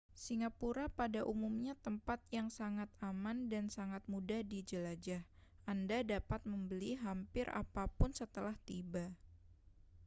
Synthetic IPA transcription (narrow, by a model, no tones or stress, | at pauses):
siŋapuɾapadaʔumumɲat̪əmpat̪̚jaŋsaŋat̪̚amandansaŋat̪̚mudadid͡ʒəlad͡ʒahʔandadapat̪̚məmbəliɦampɪra̰papʊnsət̪əlaht̪iba